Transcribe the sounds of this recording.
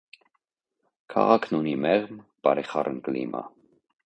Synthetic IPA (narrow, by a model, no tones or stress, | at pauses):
kʰɑ̰ʁɑkʰnunimɛʁmpɑɾɛχɑrʔənkəlimɑ̰